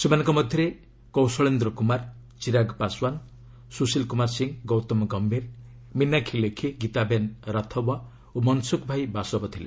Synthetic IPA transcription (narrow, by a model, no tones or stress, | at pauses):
semanɔŋkɔmɔd̪ʱjɔɾe | kɔwsɔɭend̪ɾɔkumaɾ | t͡ʃiɾaɡpaswan | susilkumaɾsiŋɡɔwt̪ɔmɔɡɔmbʱiɾ | minːakʰilekʰiɡit̪abenɾat̪ʰɔwa | omɔnsukbʱajbasɔbɔt̪ʰile